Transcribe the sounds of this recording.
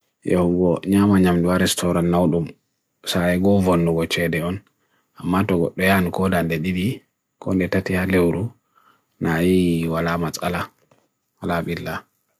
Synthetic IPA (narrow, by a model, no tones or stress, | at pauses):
jḛhuɡɔɲamaɲamduwaɾɛstʰɔɾanːawɗum | saɛɡɔvonːuɡɔt͡ʃɛdɛɔn | amːatɔɡɔ̰ɗːɔjankɔdandɛɗiɗi | kɔ̰ndɛtatihalewɾu | najiwalamat͡sʼa̰la | walaɓilːa